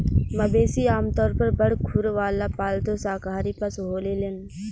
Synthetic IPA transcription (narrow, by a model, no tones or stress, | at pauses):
mɐbeːsiaːmt̪ɔːɾpɐɾbɐɽkʰuɾʋaːlapaːlt̪osaːkaːɾipɐsɦoːlelen